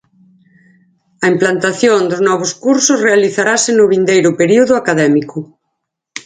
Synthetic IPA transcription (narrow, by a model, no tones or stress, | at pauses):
ɐimplant̪aθjond̪ʊznɔβ̞ʊskuɾsʊzrealiθaɾasɪnʊβind̪ejɾʊpeɾiuðʊakaðɛmikʊ